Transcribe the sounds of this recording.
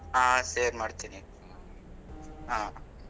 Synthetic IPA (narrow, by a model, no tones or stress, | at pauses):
ɦaːseːɾmaːɽt̪ini | ɦãː